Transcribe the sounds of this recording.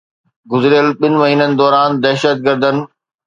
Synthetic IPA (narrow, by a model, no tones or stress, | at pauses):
ɡʊzɪɾijəlɓɪnɪ̆mɐɦiːnənɪ̆d̪ɔːɾaːnd̪ɛɦʃət̪̚ɡəɾd̪ʱənɪ̆